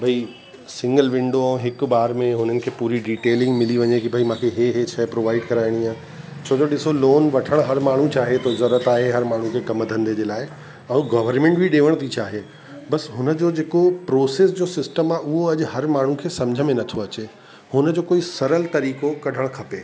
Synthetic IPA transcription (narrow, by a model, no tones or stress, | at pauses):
bʱɐi | sɪ̃ŋɡəlʋɪ̃ɳɖõɦɪk̆baːɾmẽɦʊn̤ənɪ̆kʰeːpuːɾiɖiːʈeːlɪ̃ŋɡmɪliʋɐɲekibʱɐimãːkʰeɦeɦet͡ɕʰɛpɾoːʋaːɪɖkɐɾaːɪɽ̃iãː | t͡ɕʰoːd͡ʑoɗɪsoloːnʋɐʈʰəɽ̃ɦɐɾmaːɳ̤ũt͡ɕaːɦet̪oɪzɐɾət̪aːɦeɦɐɾmaːɳ̤ũkʰeːkɐməd̪ʱə̃nd̪ed͡ʑeːlaːɪ | ɛ̃ːuɡɐʋəɾmẽɳʈbʱiɗeːʋəɽ̃t̪ʰit͡ɕaːɦe | bɐsɦʊnə̆d͡ʑoːd͡ʑeːkopɾoːseːs̬d͡ʑoːsɪsʈəmaʔʊɦoɐʄhɐɾmaːɳ̤ũkʰeːsɐ̃md͡ʑʱəmẽnɐt̪ʰoɐt͡ɕe | hʊnəd͡ʑoːkoːisɐɾəlt̪ɐɾiːkokɐɖʱəɽ̃kʰɐpeː